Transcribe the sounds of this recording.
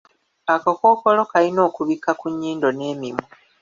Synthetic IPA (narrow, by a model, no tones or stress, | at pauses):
akako̞ːko̞lo̞kalino̞ːkuβikakuɲːiːndo̞ne̞ːmimu